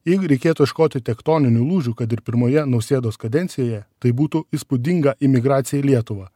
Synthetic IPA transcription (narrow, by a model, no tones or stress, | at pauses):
jɛɪɡʊɾʲɛɪkʲeːt̪uːɪʃkoːt̪ʲɪt̪ʲɛkt̪oːnʲɪnʲulˠuːʒʲuːkɐt̪ɪɾpʲɪɾmoːjɛnɐʊsʲeːd̪oːskɐd̪ʲɛnʲt̪sʲɪjoːjɛt̪ɐɪbuːt̪ʊiːspʊd̪ʲɪŋɡɐʔɪmʲɪɡɾɑːt̪sʲɪjɛlʲiɛt̪ʊʋɑː